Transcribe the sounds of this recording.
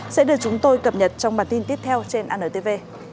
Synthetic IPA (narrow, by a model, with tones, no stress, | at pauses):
sɛ̰˧˥ɗɨ˨˩ək̚t͡ɕʊ˨˦ŋ͡mt̪o˧jkə˨˩p̚ɲə˨˩t̚t͡ɕɔ˧wŋ͡mɓaː˨˩nt̪i˧nt̪i˦˥əp̚t̪ʰɛ˧wt͡ɕe˧nʔaː˧nəː˧˩t̪e˧ve˧